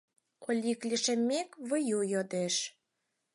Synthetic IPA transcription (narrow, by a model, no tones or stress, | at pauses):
olʲiklʲiʃĕmʲːekβə̆jujod̪eʃ